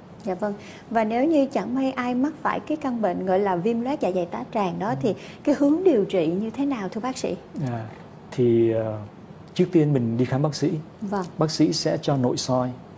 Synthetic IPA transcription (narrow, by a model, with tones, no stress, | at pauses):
za̰ː˧˨və˧ŋ | vaː˨˩ne˨˦wɲɨ˧t͡ɕa˧˩ŋma˧jʔaː˧jma˦˥t̚faː˧˩jkaː˨˦jka˧nɓḛ˧˨nɣɔ̰˧˨jlaː˨˩vi˧mlwɛ˦˥t̚zaː˧˩za˨˩jt̪aː˨˦t͡ɕaː˨˩ŋɗɔ˨˦t̪ʰi˨˩ | kaː˨˦jhɨ˨˦əŋɗi˨˩əwt͡ɕḭ˧˨ɲɨ˧t̪ʰe˨˦naː˨˩wt̪ʰɨ˧əɓaː˦˥k̚sḭ˧˥aː˧˩ | t̪ʰi˨˩˨ | t͡ɕɨ˦˥ək̚t̪i˧ənmï˨˩ŋ̟ɗi˧xaː˨˦mɓaː˦˥k̚sḭ˧˥ | və˧˩ŋɓaː˦˥k̚sḭ˧˥sɛ̰˧˥t͡ɕɔ˧no̰˧˨jsɔ˧j